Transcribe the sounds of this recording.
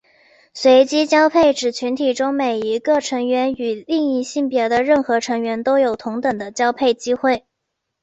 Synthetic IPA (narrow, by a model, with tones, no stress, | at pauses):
swe˧˥ɪt͡ɕi˥t͡ɕjɑ˥ʊpʰe˥˩ɪʈ͡ʂɻ̩˨˩t͡ɕʰy˧˥nt̪ʰi˨˩ʈ͡ʂʊ˥ŋme˨˩ɪi˧˥ɡə˧ʈ͡ʂʰɤ˧˥ŋɥɛ˧˥ny˨˩li˥˧ŋi˥˧ɕi˥˩ŋpjɛ˧˥d̪ə˧ɻə˥˩nxɤ˧˥ʈ͡ʂʰɤ˧˥ŋɥɛ˧˥nt̪o˥ʊjo˨˩ʊt̪ʰʊ˧˥ŋt̪ɤ˨˩ŋd̪ə˦t͡ɕjɑ˥ʊpʰe˥˩ɪt͡ɕi˥xwe˥˩ɪ